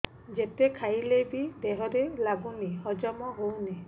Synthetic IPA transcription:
d͡ʒet̪ekʰajlebid̪eɦɔɾelaɡuniɦɔd͡ʒɔmɔɦowni

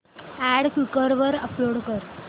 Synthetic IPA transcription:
æɽkjukəɾʋəɾəploɽkəɾ

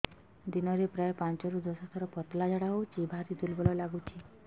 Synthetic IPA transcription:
d̪inɔɾepɾajepant͡ʃɔɾud̪ɔsat̪ʰɔɾɔpɔt̪lad͡ʒaɽaɦowt͡ʃibʱaɾid̪ulbɔlɔlaɡut͡ʃʰi

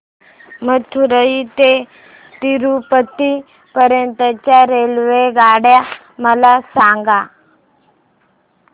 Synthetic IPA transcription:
məɡ̚t̪ʰuɾəit̪e | t̪iɾupət̪ːi | pəɾjənt̪ət͡ɕjaɾelʋeɡaɽja | məlasaŋɡa

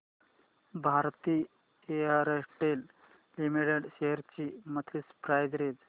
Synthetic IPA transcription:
bʱaɾt̪iː | eaɾesʈel | imiʈeɽɕeɦəɾt͡ɕiːmət̪ʰispɾajd͡zɾed͡z

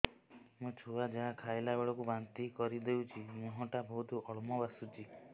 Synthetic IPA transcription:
mũt͡ʃʰuad͡ʒaɦakʰajlabeɭɔkubant̪ikɔɾid̪ewt͡ʃʰimũɦɔ̃ʈabɔɦut̪uʔɔɭmɔbasut͡ʃi

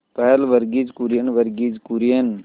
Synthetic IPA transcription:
pəɦəlʋəɾɡid͡ʒkuɾijənʋəɾɡid͡ʒkuɾjən

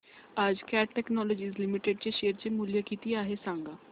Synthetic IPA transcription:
ad͡ʒkɛːʈʈɛːknɔːloːd͡ʒiːzlɪmɪʈeɖ̚t͡ʃeʃeːəɾt͡ʃeːmuːljaːkiːt̪iːaːɦeːsãːŋɡaː

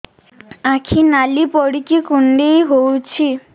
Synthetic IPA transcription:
akʰinalipɔɽikikuɳɖejɦowt͡ɕʰi

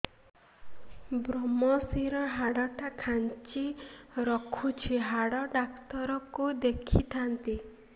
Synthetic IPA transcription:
bɾɔmɔsiɾɔɦaɽɔʈakʰant͡ʃiɾɔkʰut͡ʃʰiɦaɽɔɖakt̪ɔɾɔkud̪ekʰit̪ʰant̪i

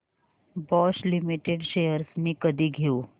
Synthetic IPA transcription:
bɔslimiʈeɖɕejəɾsmiːkəd̪ʱiːɡʱeu

